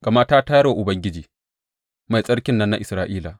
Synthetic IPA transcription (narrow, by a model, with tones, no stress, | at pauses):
ɡ̥a˨mɐ˦taː˦ta˦jɐ˦ɽwa˨ʔʊ˨bɐ˦ŋɡʲɪ˦d͡ʒiː˨ | ma˨jsʼɐ˦ɽkʲɪ˦nːɐ˦nːa˦ʔɪ˨sɾaː˦ʔiː˦laː˨